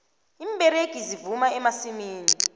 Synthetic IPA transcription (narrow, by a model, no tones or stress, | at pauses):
imɓɛɾeɡ̥ʱizivumaɛmasimiːni